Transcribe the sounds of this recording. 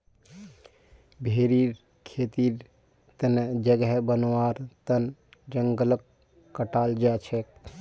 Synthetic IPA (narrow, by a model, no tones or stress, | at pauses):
bʱeːɾiɾ | kʰeːt̪iːɾ | t̪ənd͡ʒəɡɦbənwaːɾt̪ənd͡ʒəŋɡələk | kːəʈaːld͡ʒaːt͡ʃʰɛ